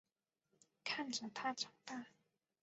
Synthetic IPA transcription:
kʰa˥˩nʈ͡ʂə˨˩t̪ʰa˥ʈ͡ʂɑ˨˩ŋt̪a˥˩

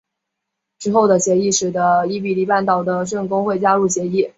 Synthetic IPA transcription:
ʈ͡ʂɻ̩˥xo˥˩ʊd̪ə˩ɕjɛ˧˥i˥˩ʂɻ̩˨˩d̪ə˦i˥˩pi˨˩li˥˩pa˥˩nt̪ɑ˨˩ʊd̪ə˦ʂwə˥˩ŋkʊ˥ŋxwe˥˩ɪt͡ɕja˥lu˥˩ɕjɛ˧˥i˥˩

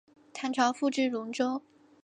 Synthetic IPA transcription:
t̪ʰa˧˥nʈ͡ʂʰɑ˧˥ʊfu˥˧ʈ͡ʂɻ̩˥˩lʊ˧˥ŋʈ͡ʂo˥ʊ

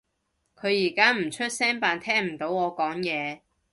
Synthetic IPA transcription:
kʰɵ˨˧ɥjiː˨˩kaː˥m̩˨˩t͡ʃʰɵ˥t̚sɛː˥npaː˨˧nt̪ʰɛː˥ŋm̩˨˩t̪o˨˧˥wɔː˨˧kɔː˨˥ŋjɛː˨˧

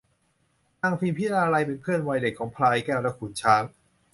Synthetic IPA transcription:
taː˧ŋpʰiː˧mpʰi˦˥˩ɾaː˧ɾa˧jpe˧npʰɯ˥˩ənwa˧jde˨˩kʰːɔː˩˦ŋpʰlaː˧jkɛː˥˩wɾa˧˥˩kʰuː˨˩nt͡ɕʰaː˦˥ŋ

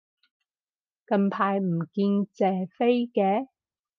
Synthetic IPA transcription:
kɐ˧mpʰaː˧jm̩˨˩kiː˧nt͡sɛː˨˩fe˥jkɛː˨˧

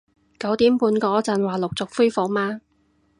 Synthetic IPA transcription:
kɐ˨˥wt̪iː˨˥mpuː˨˧nkɔː˧t͡sɐ˨˩nwaː˨˩lʊ˨k̚t͡sʊ˨k̚fuː˥jfo˨k̚maː˧

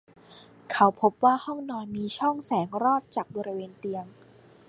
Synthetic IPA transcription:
kʰa˨˦wpʰo˦˥p̚waː˥˩hɔ˥˩ŋnɔː˧jmiː˧t͡ɕʰɔ˥˩ŋsɛː˩˦ŋɾɔː˥˩t̪̚t͡ɕaː˨˩k̚bɔː˧ɾi˦weː˧nt̪i˧əŋ

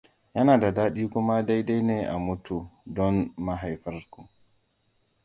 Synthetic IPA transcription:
ja˦naː˨da˨daː˦ɗiː˦ku˦ma˦da˦jda˦jnɛ˨ʔa˨mu˦tu˨dɔ˦nma˨ɦa˨jfa˦ɾku˨

